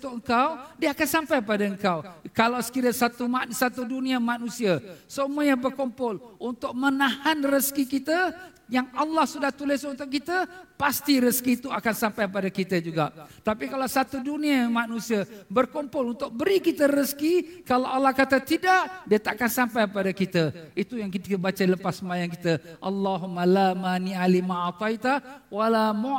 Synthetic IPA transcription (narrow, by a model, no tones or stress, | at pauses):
t̪ʊəŋkawdiəakansampajpadaəŋkawkalawsə̥kiɾəsat̪umsat̪udunĩəmanũsiəsəmujəbərkɔmpʊlʔunt̪ʊk̚mənahanrəskikit̪ə | jaŋalːahsudaht̪ulɪsunt̪ʊʔkit̪əpast̪iɾəskit̪uakansampajp̬adakit̪əd͡ʒuɡaʔt̪apikalawsat̪uduniamanusiabərkɔmpɔlunt̪ʊk̚bəɾikit̪əɾəskikalawʔalːahkat̪at̪idaʔdiat̪akansampajpadakit̪əit̪ujaŋkit̪iəbat͡ʃailəpasːəmajaŋkit̪əʔa̰lːaɦumalamanialimat̪ajt̪awalamo